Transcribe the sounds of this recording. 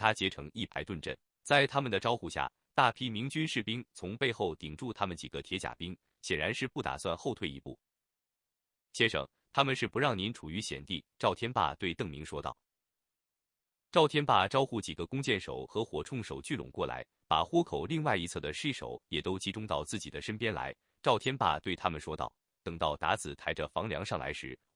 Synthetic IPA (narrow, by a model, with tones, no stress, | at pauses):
t̪ʰa˥t͡ɕjɛ˧˥ʈ͡ʂʰɤ˧˥ŋi˥˩pʰa˧˥ɪt̪wə˥˧nʈ͡ʂə̰˥˩n | t͡sa˥˩ɪt̪ʰa˥mə˨nd̪ə˩ʈ͡ʂɑ˥ʊxu˥˧ɕja̰˥˩ | t̪a˥˩pʰi˥mi˧˥ŋt͡ɕy˥nʂɻ̩˥˩pi˥ŋt͡sʰʊ˧˥ŋpe˥˧ɪxo˥˩ʊt̪i˨˩ŋʈ͡ʂu˥˩t̪ʰa˥mə˨nt͡ɕi˨˩ɡ̥ə˦t̪ʰjɛ˧˥t͡ɕja̰˨˩pi˥ŋ | ɕjɛ˨˩nɻa˧˥nʂɻ̩˥˧pu˥˩t̪a̰˨˩swa˥˧nxo˥˧ʊt̪ʰwe˥˩ɪḭ˧˥pṵ˥˩ | ɕjɛ˥nʂɤ̰˨˩ŋ | t̪ʰa˥mə˨nʂɻ̩˥˩pu˧˥ɻɑ˥˩ŋni˧˥nʈ͡ʂʰu˨˩y˧˥ɕjɛ̰˨˩nt̪i˥˩ʈ͡ʂɑ˥˩ʊt̪ʰjɛ˥npa̰˥˧t̪we˥˧ɪt̪ɤ˥˩ŋmi˧˥ŋʂwɔ˥t̪ɑ̰˥˩ʊ | ʈ͡ʂɑ˥˩ʊt̪ʰjɛ˥npa˥˩ʈ͡ʂɑ˥ʊxu˥˩t͡ɕi˨˩ɡə˦kʊ˥ŋt͡ɕjɛ˥˩nʂo̰˨˩ʊxɤ˧˥xwɔ˨˩ʈ͡ʂʰʊ˥˩ŋʂo˨˩ʊt͡ɕy˥˩lʊ̰˨˩ŋkwɔ˥˩la̰˧˥ɪ | pa˨˩xwɔ˥kʰo˨˩ʊli˥˧ŋwa˥˩ɪi˧˥t͡sʰɤ˥˩d̪ə˩ʂi˥˩ʂo̰˨˩ʊjɛ˨˩t̪o˥ʊt͡ɕi˧˥ʈ͡ʂʊ˥ŋt̪ɑ˥˧ʊt͡sɹ̩˥˩t͡ɕi˨˩d̪ə˦ʂə˥npjɛ˥nla̰˧˥ɪ | ʈ͡ʂɑ˥˩ʊt̪ʰjɛ˥npa̰˥˧t̪we˥˩ɪt̪ʰa˥mə˨nʂwɔ˥t̪ɑ̰˥˩ʊ | t̪ɤ˨˩ŋt̪ɑ˥˩ʊt̪a̰˧˥t͡sɹ̩˨˩t̪ʰa˧˥ɪʈ͡ʂə˧fɑ˧˥ŋljɑ˧˥ŋʂɑ˥˩ŋlʔa̰˧˥ɪʂɻ̩˧˥